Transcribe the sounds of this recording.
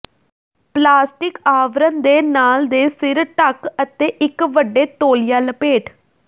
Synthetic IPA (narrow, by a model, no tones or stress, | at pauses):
plaːsʈɪkaːʋɾənd̪eːnaːld̪eːsɪɾʈəkət̪eːʔɪkʋəɖːeːt̪oːlɪjaːləpeːʈʰ